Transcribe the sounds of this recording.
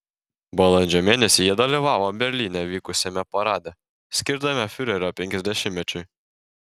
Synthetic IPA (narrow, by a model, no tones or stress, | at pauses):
bɐlˠɔnʲd͡ʒʲomʲeːnʲɛsʲɪjiɛd̪ɐlʲɪʋɑːʋɔbʲɛɾʲlʲiːnʲɛʋʲiːkʊsʲɛmʲɛpɐɾɑːd̪ʲɛ | sʲkʲɪɾd̪ɐmʲɛfʲyɾʲɛɾʲɔpʲɛŋʲkʲɛzʲd̪ʲɛʃʲɪmʲmʲɛt͡ʃʲʊj